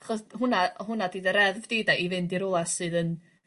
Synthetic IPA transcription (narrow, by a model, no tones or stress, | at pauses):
aχɔsɦʊnaɦʊnadiːdəɾɛðvd̥eːdaʔivɨndiɾʊlˠasɨːðən